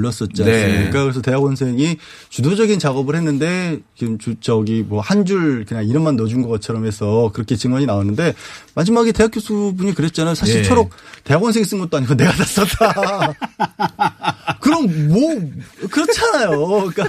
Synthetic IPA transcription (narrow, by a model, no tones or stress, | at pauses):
ʌs͈ʌt̚t͡ɕ͈ansɯmɲik͈akɯɾesʰʌte̞ɦaɡwʌnsʰe̞ŋi | t͡ɕudod͡ʑʌɡint͡ɕaɡʌbɯɭhe̞nːɯnde̞kɯmt͡ɕut͡ɕʌɡimwʌhand͡ʑuɭkɯɲaŋiɾɯmanːʌd͡ʑunɡʌɡat̚t͡ɕʰʌɾʌmɦe̞sʰʌkɯɾʌkʰe̞t͡ɕɯŋwʌɲinaonːɯnde̞mad͡ʑimaɡete̞ɦakjosʰubuɲikɯɾet̚t͡ɕ͈anajosʰaɕʰiɭt͡sʰʌɾok̚te̞ɦaɡwʌnsʰeŋis͈ɯnŋɡʌt͈̚oaɲiɡone̞ɡatas͈ʌtt͈a | kɯɾʌmmwʌkɯɾʌt͡ɕʰanajoik͈a